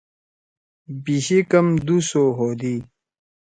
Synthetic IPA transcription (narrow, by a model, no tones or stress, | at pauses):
biɕikɐmd̪usoːɦoːd̪i